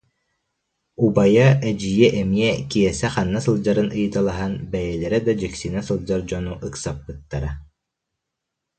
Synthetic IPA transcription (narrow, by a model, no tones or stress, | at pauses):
ubajaɛd͡ʑijɛʔɛmiɛkiɛsɛχanːasɯlˠd͡ʑaɾɯnʔɯjɯt̪alˠaɦanbɛjɛlɛɾɛd̪ad͡ʑɛksinasɯlˠd͡ʑaɾd͡ʑɔnuʔɯksapːɯt̪ːaɾa